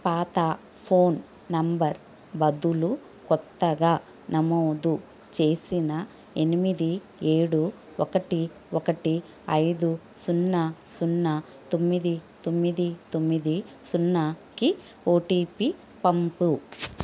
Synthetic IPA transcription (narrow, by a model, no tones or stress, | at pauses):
paːt̪a | pʰo̞ːn | nɐmbɐɾ | bɐd̪ulu | kɔt̪ːɐɡaː | nɐmoːd̪u | t͡ʃe̞ːsinɐ | e̞nimid̪i | e̞ːɽu | ɔkɐʈi | ɔkɐʈi | ɐjd̪usunːɐsunːɐ | t̪o̞mːid̪it̪o̞mːid̪it̪o̞mːid̪isunːɐki | oːʈiːpi | pɐmpu